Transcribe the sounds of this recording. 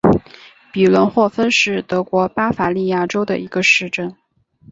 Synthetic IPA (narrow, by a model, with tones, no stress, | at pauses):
pi˨˩lwə˧˥nxwɔ˥˩fə˥nʂɻ̩˥˩t̪ɤ˧˥kwɔ˧˥pa˥fa˧li˥˧ja˥˩ʈ͡ʂo˥ʊd̪ə̰˨ʔi˧˥ɡ̥ə˧ʂɻ̩˥˩ʈ͡ʂə˥˩n